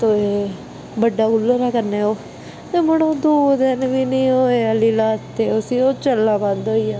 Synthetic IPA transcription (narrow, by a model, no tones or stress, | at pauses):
t̪oeː | bəɖːaːʊlːəɾɛːkəɾneːoː | eːməɽõːd̪oːd̪ɪnʋiːnĩːoːeːəliːlaːt̪eːʊsiːoːt͡ʃəlːãːbad̪oːiːãː